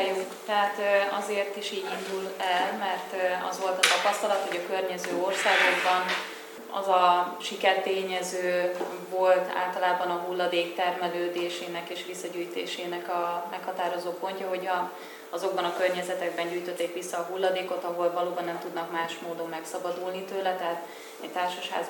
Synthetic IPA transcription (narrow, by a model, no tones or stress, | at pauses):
jut̪ːɛɦat̪ɒzeːrt̪iʃiːɟind̪ulɛlmɛrt̪ɒ̰zʋo̞lt̪ɒt̪ɒpɒst̪ɒlɒt̪ho̞ɟɒkørɲɛzøːo̞rsaːɡo̞ɡbɒn | ɒ̰zɒʃikɛrt̪eːɲɛzøː | vo̞lt̪a̰ːlt̪ɒlaːbɒnɒɦulːɒd̪eːkt̪ɛrmɛløːd̪eːʃeːnɛkeːʃʋisːɒɟyːjt̪ḛːʃeːnɛkɒmɛkhɒt̪aːɾo̞zoːpo̞ɲcɒɦo̞ɟɒ | ɒzo̞ɡ̚bɒnɒkørɲɛzɛt̪ɛɡ̚bɛɲɟuːjt̪ø̞t̪ːeːkʋisːɒːɦulːɒd̪eːko̞t̪ɒɦo̞lvɒloːbɒnːɛmt̪ud̪nɒkmaːʃmoːd̪o̞mːɛksɒbɒd̪ulnit̪øːlɛt̪ɛɦaːt̪ | ɛct̪aːrʃɒʃha̰ːz